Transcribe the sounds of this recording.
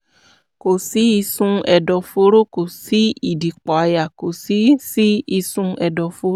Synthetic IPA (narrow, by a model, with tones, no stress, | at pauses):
ko˨si˨˦i˧sũ˧ɛ˨dɔ˨fo˧˦ɾo˦ko˨si˨˦i˦˨di˨k͡pɔ˨a˧ja˨ko˨si˨˦si˦i˧sũ˧ɛ˧dɔ˨fo˧˦